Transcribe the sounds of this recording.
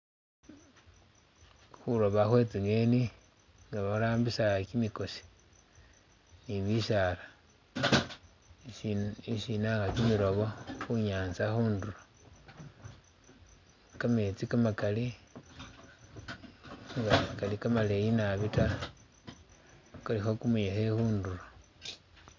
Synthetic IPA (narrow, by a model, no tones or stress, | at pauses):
xuɾo̞βaxwe̞t͡siŋeni | ŋɡaβaɾaːmbisaɣakimiko̞si̥ | niβiʃala | iʃinaɡakimiɾo̞βoxuɲaːnt͡saxuːnduɾo | kamet͡sikamakali | ŋɡakalikamalejinaβita | kalixokumujexexuːnduro